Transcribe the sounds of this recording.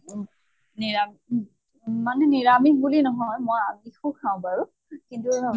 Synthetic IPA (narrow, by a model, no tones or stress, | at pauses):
niɹam | manɛniɹamibulinɔɦɔjmɔjabixukʰaʊ̃paɹu | kintu